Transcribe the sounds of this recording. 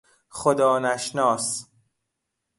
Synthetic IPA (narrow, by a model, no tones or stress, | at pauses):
χod̪ɒːnæʃnɒːs